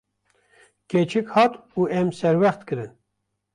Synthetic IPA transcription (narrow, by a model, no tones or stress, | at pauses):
ket͡ʃʰɨkhɑːt̪uːʔɛmsɛɾwɛχt̪kɨɾɨn